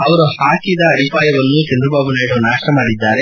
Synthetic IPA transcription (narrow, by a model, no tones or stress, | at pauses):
ɐʋɐɾuhaːkid̪ɐːd̪ʱipaːjɐʋɐnːut͡ʃɐnd̪ɾɐbaːbunaːɽunaːʂʈɐmaːɽid̪ːaːɾe